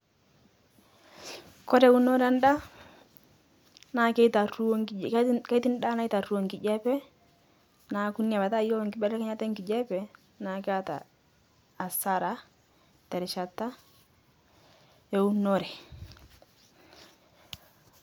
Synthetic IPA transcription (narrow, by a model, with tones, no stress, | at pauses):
kɔ˦ɾɛ˨u˦no˦ɾa˦nda˦ | na˨kɛ˦ta˨ru˦ka˦ti˦n˦da˦na˦jta˨ru˦o˨ŋki˨d͡ʒɛ˦pɛ˦ | na˨ku˦ni˦a˨ba˨ta˦jɔ˦a˨ŋkɪ˦bɛ˦ɾɛ˦ka˦ɲa˦tɛ˦ŋki˨d͡ʒɛ˦pɛ˨ | na˨kɪ˦a˦ta̰ː˨ | sa˦ɾa˦ | tɛ˨ɾɪ˨ʃa˨tːa˦ | ɛ˨u˦nɔ˦ɾɛ˨